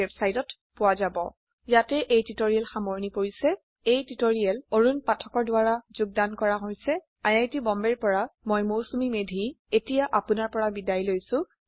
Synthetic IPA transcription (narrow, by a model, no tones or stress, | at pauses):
ɛbsajdɔt | pʊwazabɔ̰ | jatɛʔejtitoɹiɛlxamoɹnipoɹisɛ | ejtitoɹiɛloɹunpatʰɔkɔɹdʊaɹazʊɡ̚dankɔɹaɦojsɛ | ajajtibɔmbɛɹpɔɹamojmowsumimedʱi | etijaʔapʊnaɹpɔɹabidajlojsʊ̃